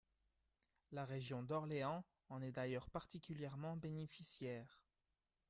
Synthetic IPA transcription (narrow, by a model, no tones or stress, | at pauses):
laʁeʒjɔ̃d̪ɔʁleɑ̃ | ɑ̃nɛd̪ajœʁpaʁt̪ikʲyljɛʁmɑ̃benefisjɛːʁ